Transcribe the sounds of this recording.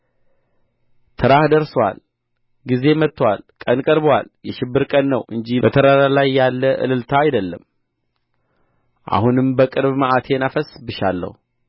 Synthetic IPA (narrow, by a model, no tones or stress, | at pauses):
t̪ʰɨɾahd̪əɾswa̰l | ɡize̞mət̪ːwalkʼənkʼəɾbwa̰ljɛʃɪbːɨɾkʼənːəwʔɨnd͡ʒibət̪ʰəɾaɾalajːalːəʔɨ̰lɨlt̪ʰaːjd̪əlːəm | ʔa̰hunɨmbəkʼɨɾbmaʔat̪ʰe̞nafəsbɨʃalːə̰hu